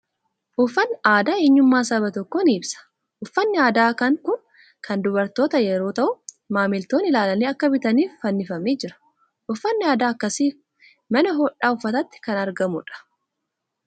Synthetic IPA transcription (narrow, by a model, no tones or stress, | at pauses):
ʔʊfːɐnːaːd̪aːeːɲːʊmːaːsɐβɐt̪ɔkːoniːbsɐ̥ | ʔʊfːɐnːɪaːd̪aːkɐŋkʊn | kʰɐnd̪ʊbɐɾt̪o̞ːt̪ɐjɛɾo̞ːt̪ɐʔʊ | maːmɪlt̪o̞ːnɪlaːlɐniːɐkːɐbɪt̪ɐniːfːɐnːɪfɐmeːd͡ʒɪɾɐ̥ | ʔʊfːɐnːɪaːd̪aːɐkːɐsiː | mɐnɐɦɔᶑaːʊfːɐt̪ɐt̪ːɪ̥kɐnɐɾɡɐmʊ̰ᶑɐ̥